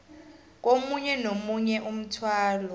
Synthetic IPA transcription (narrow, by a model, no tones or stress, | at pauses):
k̬ʼomuɲɛnomuɲɛʔum̩tʰwaːlɔ